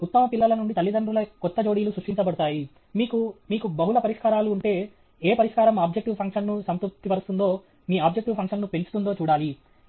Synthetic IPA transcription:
ut̪ːɐmɐpilːɐlɐnuɳɖit̪ɐlːid̪ɐnɖɾulɐkɔt̪ːɐd͡ʒo̞ːɽijlusɾuʂʈiɲt͡ʃɐbɐɽut̪aːji | miːkumiːkubɐɦulɐpɐɾiʂkaːɾaːluːɳʈe̞ː | eːpɐɾiʂkaːɾɐmaːb̚d͡ʒek̚ʈiʋpʰɐŋkʂɐnːusɐnt̪up̚t̪ːipɐɾust̪und̪o̞ː | miːaːbd͡ʒek̚ʈiʋpʰɐŋkʂɐnnupelt͡ʃut̪und̪o̞ːt͡ʃuːɽaːli

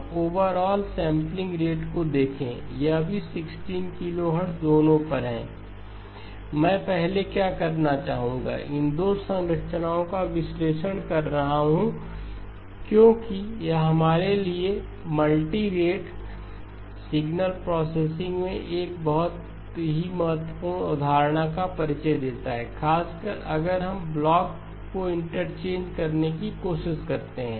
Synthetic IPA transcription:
oːʋəɾɔːlsɛ̃ːmplɪ̃ŋɡɾeːʈkod̪eːkʰḛ̃jeɐbʱisɪksʈiːnkɪloːɦəɾsd̪oːnõpɐɾɦɛ̰̃ː | mɛ̃ːpɛɦlekjaːkɐɾnat͡ʃaːɦũːɡa̰ʔɪ̃nd̪oːsə̃ŋɾəʈʃnaːõkaʋɪsleːʃəɽ̃kɐɾːɐɦaɦũ | kjõːkijaɦɐmaːɾelie | mɐlʈiɾeːʈ | sɪɡnəlpɾɔːseːsɪ̃ŋɡmẽʔeːk̚bɐɦʊt̪ | ɦimɐɦət̪wəpuːɾɳ̃ʊd̪ʱaːɾɽ̃akapɐɾɪt͡ʃəjd̪eːt̪aɦɛːkʰaːskəɾɐ̰ɡəɾɦɐmblɔːkː | oɪ̃ɳʈəɾt͡ʃẽːnd͡ʒkɐɾnekikoːʃɪʃkɐɾt̪eɦɛ̃ː

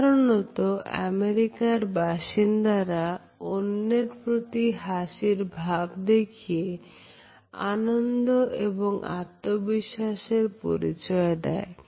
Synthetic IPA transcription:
ɾonɔt̪oɛ̰meɾikaɾbaʃind̪aɾa | onːeɾpɾot̪iɦaʃiɾbʱabd̪ekʰie | a̰nond̪oʔḛboŋʔa̰t̪ːobiʃːaʃeɾpo̰ɾḭt͡ɕɔed̪ɛ̰e

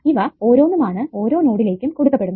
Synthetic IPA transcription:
iʋɐo̞ːɾo̞ːnːumaːɳɨo̞ːɾo̞ːno̞ːɽile̞ːkʲːumkuɽukːɐpːe̞ɽunːɐ

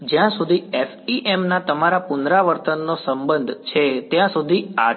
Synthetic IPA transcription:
d͡ʒjãsud̪ʱiefiʔemnat̪əmaɾapʊnd̪ɾaʋəɾt̪ənːosəmbənd̪ʱt͡ʃʰet̪jãsud̪ʱia

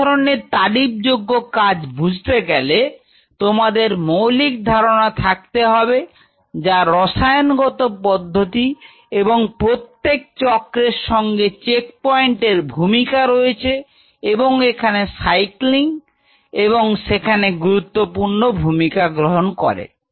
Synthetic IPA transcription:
ɔɾoneɾt̪aɖip̚d͡ʑoɡːokad͡ʑbʱud͡ʑʱt̪eɡɛle | t̪omad̪eɾmowlik̚d̪ʱaɾonat̪ʰak̚t̪eɦɔbe | d͡ʑaɾɔʃajonɡɔt̪opɔd̪ʱːot̪i | eboŋpɾot̪ːek̚t͡ɕɔkɾeɾʃɔŋɡet͡ɕek̚pɔjɳʈeɾbʱumikaɾoet͡ɕʰe | eboŋekʰanesajkliŋ | eβoŋʃekʰaneɡuɾut̪ːopuɾnobʱumikaɡɾoɦonkɔ̰ɾḛ

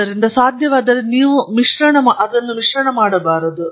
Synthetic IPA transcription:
ɐɾind̪ɐsaːd̪ʱjɐʋaːd̪ɐɾeniːʋumiʂɾɐɳɐmaʔɐd̪ɐnːumiʂɾɐɳɐmaːɽɐbaːɾɐd̪u

